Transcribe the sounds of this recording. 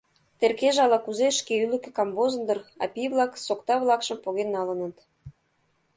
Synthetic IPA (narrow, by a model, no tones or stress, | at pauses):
t̪erkeʒɑlɑkuzeʃkeylɘ̆kĕkɑmbozɤ̆nd̪ɤ̆rɑ̰pʲiβlɑksokt̪ɑβlˠɑkʃə̆mpoɣenːɑlɤ̆nə̆t̪